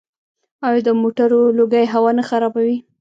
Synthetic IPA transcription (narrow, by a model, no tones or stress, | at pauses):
ɑjd̪əmoʈaɾoloɡajɦawɑnaxaɾɑbawi